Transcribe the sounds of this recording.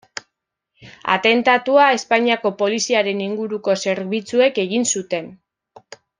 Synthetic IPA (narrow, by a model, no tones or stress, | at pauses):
a̰t̪e̞nt̪at̪uae̞spaɲiako̞po̞lisiaɾe̞niŋɡuɾuko̞se̞ɾβit͡sue̞ke̞ɣinsut̪e̞n